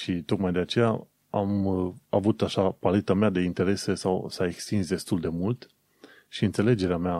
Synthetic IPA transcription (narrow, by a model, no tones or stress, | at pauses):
ʃit̪o̞kmajd̪e̞at͡ʃe̞ja̰ | amavut̪aʃapale̞t̪amead̪e̞int̪e̞ɾe̞se̞sawsae̞kst̪insd̪e̞st̪uld̪e̞mult̪ | ʃiɨnt̪se̞le̞d͡ʒe̞ɾeamea